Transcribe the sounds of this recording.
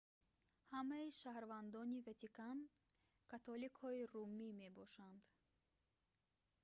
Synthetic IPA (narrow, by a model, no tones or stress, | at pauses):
hamaiʃahɾvand̪ɔnivet̪ʰikan | kʰat̪ʰɔlikhɔirumːimebɔʃand̪̥